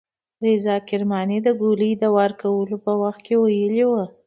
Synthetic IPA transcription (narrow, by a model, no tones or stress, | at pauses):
ɾezɑkɪɾmɑned̪əɡolid̪əwɑɾkawəlopəwaxt̪̚kewajəliwə